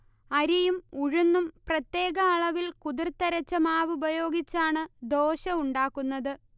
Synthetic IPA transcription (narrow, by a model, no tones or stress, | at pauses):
ɐɾijumuɻunːumprɐt̪ːje̞ːɣɐːɭɐʋilkuðirt̪ɐɾɐt͡ɕːɐmaːʋubɐjo̞ːɡit͡ɕːaːɳɨd̪o̞ːɕɐuɳɖaːkːunːɐðɨ